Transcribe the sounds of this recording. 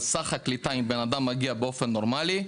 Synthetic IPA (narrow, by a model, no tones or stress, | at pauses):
saχaklit̪aimbenad̪amːaɡiabeo̞fe̞nːo̞ʁmali